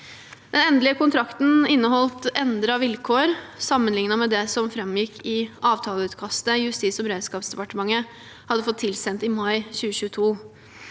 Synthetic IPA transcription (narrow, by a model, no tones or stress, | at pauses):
d̪̥ɛnɛnd̪lɪəkʊnt̪ʰɾɑkt̪n̩ɪnːəhɔlt̪ɛnd̪ɾəɑʋɪlkʰoːɾsɑmːənlɪŋnɑmɛd̪ɛsɔmfɾɛmjɪkʰːɪʔɑːʋt̪ʰɑːləʉːt̪kʰɑst̪əɪjʉst̪iːsɔbəɾeːd̪skɑːpsd̪ɛpɑʈəmɑŋːə | hɑd̪ːəfɔt̪ʰːɪlsɛnt̪ɪmɑɪçʉːəɕʉːət̪ʰuː